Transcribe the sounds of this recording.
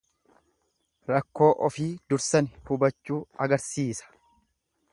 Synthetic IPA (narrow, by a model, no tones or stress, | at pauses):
ɾɐkːo̞ːʔɔfiːd̪ʊɾsɐnɪhʊbɐt͡ʃːuːɐɡɐɾsiːsɐ̥